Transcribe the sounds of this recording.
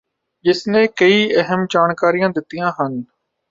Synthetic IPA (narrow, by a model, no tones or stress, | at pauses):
ʄɪsnẽːkɐiːəɦəmd͡ʒaːnkaːɾijãːd̪ɪt̪ɪjãːɦən